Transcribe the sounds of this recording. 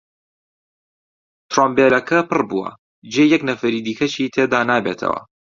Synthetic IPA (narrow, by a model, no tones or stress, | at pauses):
t̪ɾombeɾɐkʰɐpɨrbuwɐ̰ | d͡ʒejɐknɐfɐɾiːd̪iːkʰɐt͡ʃiːt̪ʰed̪aːnaːbet̪ʰɐ̰wɐ̰